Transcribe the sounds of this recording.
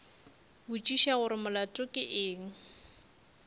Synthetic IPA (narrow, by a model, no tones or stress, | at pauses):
bʊt͡ʃʼiʃaɣʊɾɪmʊlatʼʊkʼɪʔɪːŋ̩